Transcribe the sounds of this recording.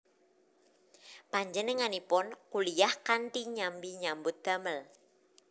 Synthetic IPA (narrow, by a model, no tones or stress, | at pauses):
paɲd͡ʒənəŋanipʊnkulijahkanʈ̪iɲambiɲambʊt̪̚d̪̥a̤məl